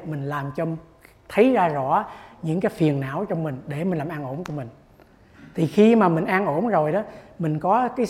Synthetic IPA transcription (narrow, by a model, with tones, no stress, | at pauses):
mï˨˩ŋ̟laː˨˩mt͡ɕɔ˧ | t̪ʰə˨˦jzaː˧zɔ̰˧˩˨ɲɨ̰˧˥ŋkaː˨˦jfi˨˩ənna̰ː˧˥wt͡ɕɔ˧wŋ͡mmï˨˩ŋ̟ɗe˧˩mi˨˩ŋ̟laː˨˩mʔaː˧ŋʔo˧˩nku˧əmï˨˩ŋ̟ | t̪ʰi˨˩xi˧maː˨˩mï˨˩ŋ̟ʔaː˧nʔo˧˩nzo˨˩jɗɔ˨˦mï˨˩ŋ̟kɔ˨˦kaː˨˦j